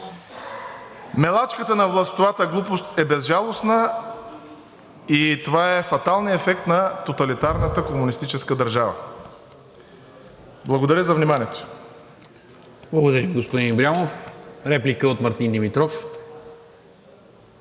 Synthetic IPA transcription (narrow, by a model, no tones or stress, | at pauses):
mɛlˠat͡ʃkət̪ənɐvlˠɐst̪ovat̪əɡlˠupost̪ɛbɛzʒalˠosnə | it̪ovaɛfɐt̪alˠniɛfɛk̚t̪nɐt̪ot̪ɐlit̪aɾnət̪əkomunist̪it͡ʃɛskəd̪ɐɾʒavə̰ | blˠɐɡod̪ɐɾʲəzɐvnimaniɛt̪o̥ | blˠɐɡod̪ɐɾimɡospod̪inibɾʲiamofɾɛplikəot̪mɐɾt̪ind̪imit̪ɾɔf